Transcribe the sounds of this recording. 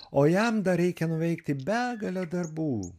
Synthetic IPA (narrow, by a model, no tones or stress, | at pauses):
oːjɛmd̪ɐɾʲɛɪkʲɛnʊʋʲɛɪkt̪ʲɪbʲæːɡɐlʲɛd̪ɐrbuː